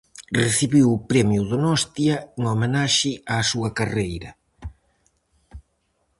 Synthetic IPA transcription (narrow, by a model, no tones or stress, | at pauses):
reθiβiwʊpɾɛmjuðonɔst̪jɐŋomenaʃɪaːsuɐkarejɾɐ